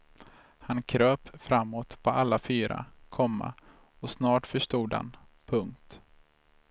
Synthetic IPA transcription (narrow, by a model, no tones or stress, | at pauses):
hankʰɾøːpfɾamːoːt̪pʰɔʔalːafyːɾa̰kʰɔmːa̰ | ɔsnɑːʈfœʂʈ̪uːd̪ha̰n | pʰɵŋkt̪